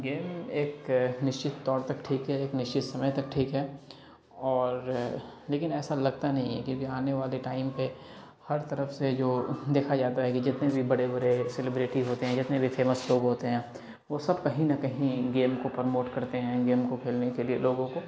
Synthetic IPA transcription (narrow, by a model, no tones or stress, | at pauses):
ɡeːmeːknɪʃt͡ʃɪt̪ːɔːɾt̪ɐkʈʰiːkɦɛeːknɪʃt͡ʃɪt̪sɐməjt̪ɐk̚ʈʰiːkɦɛː | ɔːɾleːkɪnɛːsalɐɡ̚t̪anɐɦĩɦɛ̰̃kjũːkiaːneʋaːleʈaːɪmpe | hɐɾt̪ɐɾəfsed͡ʒoːd̪eːkʰad͡ʒaːt̪aɦɛkid͡ʒɪt̪nebʱibɐɽebɐɾeselɪbɾɪʈiɦoːt̪eɦɛ̃d͡ʒɪt̪nebʱifʰeːməsloːɡɦoːt̪eɦɛ̃ː | ʋosɐbkɐɦĩnɐkɐɦĩɡeːmkopəɾmoːʈkɐɾt̪eɦɛ̃ɡeːmkokʰeːlnekelieloːɡõko